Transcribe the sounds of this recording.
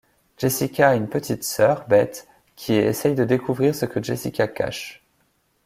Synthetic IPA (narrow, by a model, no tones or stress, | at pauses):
ʒ̥esikʲaːynpət̪ʰit̪sœʁbɛt̪ | kʲʰiḛsɛjd̪əd̪ekʰuvʁiʁsəkəʒesikʲaka̰ʃ